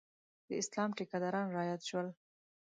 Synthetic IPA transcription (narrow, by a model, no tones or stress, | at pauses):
d̪̥əɪslɑmʈikad̪ɑɾɑnɾɑjat̪ʃwəl